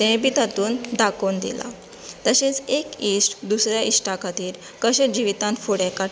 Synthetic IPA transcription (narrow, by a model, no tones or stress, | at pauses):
t̪ɛ̃bit̪at̪uːnd̪akond̪ḭla̰ | t̪əɕet͡sekisʈd̪usɾjaisʈakat̪iːɾ | kəɕed͡ʑiʋit̪ãnfoɽaka